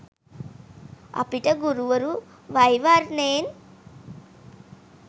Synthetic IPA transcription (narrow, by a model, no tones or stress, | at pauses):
ɐ̰piʈɐɡuɾuʋɐɾu | ʋɐjʋaːɾneːn